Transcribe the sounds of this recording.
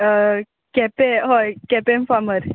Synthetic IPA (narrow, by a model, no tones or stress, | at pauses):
kɛpeɦojkɛpemfaməɾ